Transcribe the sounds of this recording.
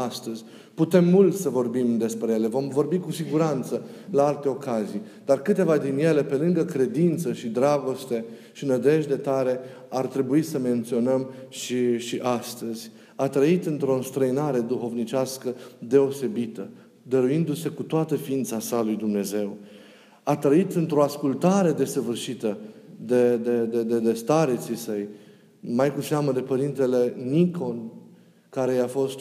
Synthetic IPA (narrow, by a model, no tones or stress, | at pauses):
ast̪əzʲ | put̪e̞mːult̪səvo̞rbimd̪e̞spɾeje̞le̞vo̞mvo̞rbikusiɡuɾant̪səlaalt̪e̞o̞kazij | d̪̥arkɨt̪e̞vad̪inje̞le̞pe̞lɨŋɡəkɾe̞d̪int̪səʃid̪ɾaɡo̞st̪e̞ | ʃinəd̪e̞ʒd̪e̞t̪aɾe̞ | art̪ɾe̞buisəme̞nt̪sio̞nəmʃiʃiʔast̪əz̥ʲ | at̪ɾəit̪ɨnt̪ɾo̞st̪ɾəinaɾe̞d̪uxo̞vnit͡ʃʲaskəd̪e̞o̞se̞bit̪ə | d̪əɾuind̪use̞kut̪oat̪əfiint̪sasalujd̪umne̞ze̞w | at̪ɾəit̪ɨnt̪ɾo̞askult̪aɾe̞d̪e̞səvɨrʃit̪əd̪ed̪e̞d̪ed̪ed̪est̪aɾet̪sisəj | majkusaməd̪e̞pəɾint̪e̞le̞niko̞n | kaɾe̞jafo̞st̪